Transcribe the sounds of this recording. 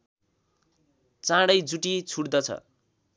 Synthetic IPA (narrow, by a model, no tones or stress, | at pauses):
t͡sãɽʌjd͡zuʈit͡sʰuɽd̪ʌt͡sʰʌ̰